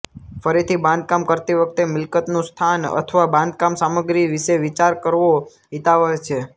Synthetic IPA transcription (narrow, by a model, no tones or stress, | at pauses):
fəɾit̪ʰibãnd̪̚kamkəɾt̪iʋək̚ʰt̪emɪlkət̪nũst̪ʰanə̰t̪ʰəʋabãnd̪̚kamsaməɡɾiʋiʃeʋit͡ʃaɾkəɾʋo | it̪aʋət͡ʃʰe